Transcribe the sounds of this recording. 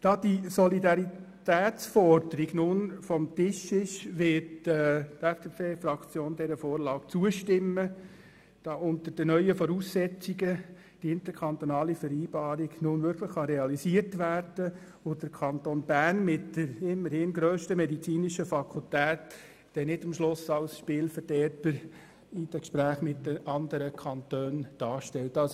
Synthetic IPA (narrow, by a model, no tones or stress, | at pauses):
d̥ɑːd̥isɔlidɑɾitæːt͡sfɔrdəɾiɡnʊnfɔmtɪʃɪʃʋɪtɛtɛfd̥eːpʰeːfrɑkt͡sjoːnd̥ɛɾəfoːɾlɑːkt͡suəʃtɪmːə | d̥ɑːʔʊnt̪əd̥ənœʏəfɔɾuːsːɛt͡siɡə | d̥iɪnt̪əkʰɑnt̪onɑːlifəɾiːb̥ɑːɾiɡnʊnʋʏɾkʰləχːɑɾɛɑlisiəɾtʋæːrd̥ə | ʋod̥əɾkʰɑntonbærnmɪtd̥əɾɪmːəɾhɪnɡɾøːʃtəmɛdit͡siːnɪʃəfɑkʰultæːt | d̥ɛnɪdɑmʃlʊsɑlsʃpɪːlfəɾdɛːɾtəɾ | id̥ɛkʃpɾæːχmɪtdəʔɑnd̪əɾəkʰɑnt̪øːnd̥ɑːɾʃtɛltɑs